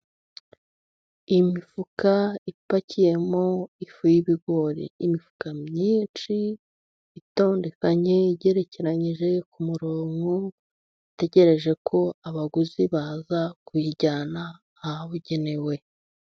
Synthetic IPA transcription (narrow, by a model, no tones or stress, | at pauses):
imifukaipacije̞mo̞ifujiβiɡo̞ːɾḭimifu̥kamɲiːnt͡ʃiː | to̞ːnde̞kaɲe̞ɟe̞ɾe̞ce̞ɾaɲiʒe̞kumuɾoːŋɡo | ite̞ɟe̞ɾe̞ʒe̞kʰo̞aβaɡuziβazakwiːɟanaː | haβuɟe̞ne̞we̞